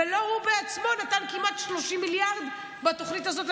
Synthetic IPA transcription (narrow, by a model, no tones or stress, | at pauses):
elo̞ʁubeat͡smo̞nat̪ankimat̪ʃlo̞ʃimːiljaʁd̪ | bat̪oχnitazo̞t